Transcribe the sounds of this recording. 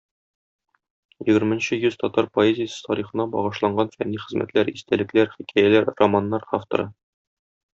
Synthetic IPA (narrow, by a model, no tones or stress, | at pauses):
jɘ̆ɡɘ̆ɾmɘ̆nɕɘjʉz̥t̪ɒt̪ɑɾpoezʲɪjəsɤ̥t̪ɒɾiχɤ̆nɑbɒ̰ʁɤ̆ʃlˠɑɴɢɑnfæ̰nːiχɘ̆zmʔæ̰t̪læɾist̪ælɘ̆klæɾχikʰæjælæɾromanːɑɾaft̪o̰ɾɤ